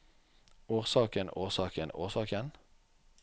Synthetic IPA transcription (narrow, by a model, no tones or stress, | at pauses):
uːʁsɑːkənoːʁsɑːkəno̰ːʁsɑːkən